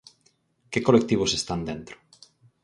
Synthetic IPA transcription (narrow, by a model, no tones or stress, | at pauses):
kekolek̚t̪iβ̞ʊsest̪and̪ent̪ɾo̥